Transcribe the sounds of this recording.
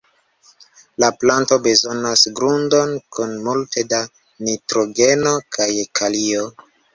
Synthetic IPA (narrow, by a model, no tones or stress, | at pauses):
laplanto̞be̞zo̞nasɡɾundo̞nkʰunmulte̞da | nitɾo̞ɡe̞no̞kʰajekʰalio